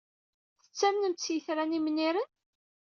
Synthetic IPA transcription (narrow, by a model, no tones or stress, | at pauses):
θə̥t͡sːæmnəmt͡sːjəθɾænimnːiɾən